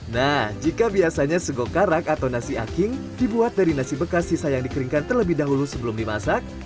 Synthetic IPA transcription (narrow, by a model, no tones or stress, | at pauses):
nahhd͡ʒikabiasaɲasəɡokaɾakat̪awnasia̰kɪŋdibuat̪̚daɾinasibəkasisajaŋdikəɾiŋkant̪ərləbɪhdaɦulusəbəlʊmdimasak̚